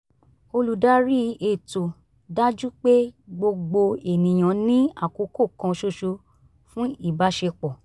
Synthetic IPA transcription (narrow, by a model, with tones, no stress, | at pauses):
o˧lu˨da˨˦ɾi˦e˨to˨ | da˦d͡ʒu˦k͡pe˦ɡ͡bo˧ɡ͡bo˧e˨nĩ˨j̃ã˨nĩ˦a˦˨ko˨˧˦ko˦˨kã˧ʃo˧ʃo˧ | fũ˦i˦˨ba˨˦ʃe˧k͡pɔ˨